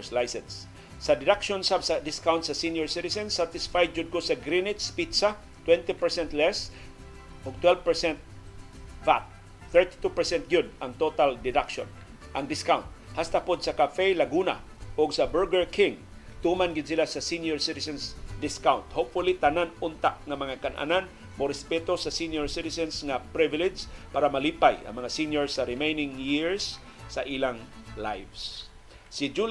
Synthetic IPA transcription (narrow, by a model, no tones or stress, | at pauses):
slajsɛnsː | ɐd̪ɪd̪akʃɔnsabsad̪ɪskawnt̪sɐsinjɔɹsɪt̪ɪsɛ̃nsːat̪ɪsfaj̪̚d͡ʒʊd̪̚kosɐɡɾinɪt̪spit̪sa | t̪wɛ̃nt̪ipɛɹsɛ̃nt̪lɛs | ʔɔɡ̚t̪wɛlvpɛɹsɛ̃nt̪̚ | fat̪̚ | θɛɹt̪i̥t̪upɛɹsɛ̃nt̪̚ɡjʊd̪̚ɐŋt̪ot̪ald̪ɪd̪akʃɔ̰̃n | ʔɐŋd̪ɪskawnt̪̚ | hast̪apod̪̚sɐkafɛlɐɡuna̰ | ʊɡsabɛɹɡɛɹkʰɪŋ | t̪umanɡɪd̪silasasinjoɹsɪt̪ɪsɛnsd̪ɪskawnt̪hopfʊlit̪ananʊnt̪aʔŋamɐŋakanʔa̰nan | moɾɛspɛt̪osasinjoɹsɪt̪ɪsɛnsŋapɾɪvɪlɪd͡ʒpaːɾamalipajɐ̰ŋmɐŋasinjoɹsaɾɪmejnɪŋjɪɹsː | aʔilaŋlajvs | sɪd͡ʒu